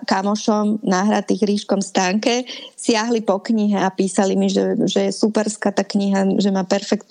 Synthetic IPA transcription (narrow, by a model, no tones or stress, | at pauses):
kamɔʃɔmnaːɦɾat̪iːɣɾiːʃkɔmst̪aːŋkɛsɪaɦlipɔkɲiɦɛapiːsalimiʒɛʒɛjɛsupɛɾskaːt̪aːkɲiɦaʒɛmaːpɛɾfɛkt̪